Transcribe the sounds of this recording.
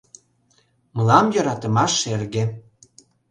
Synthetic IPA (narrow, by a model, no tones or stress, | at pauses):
mə̆lɑmjɤ̆ɾɑt̪ə̆mɑʃerɣĕ